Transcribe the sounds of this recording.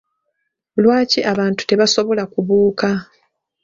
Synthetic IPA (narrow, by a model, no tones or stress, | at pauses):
lwaːciʔaβaːntu̥te̞βaso̞βo̞lakuβuːka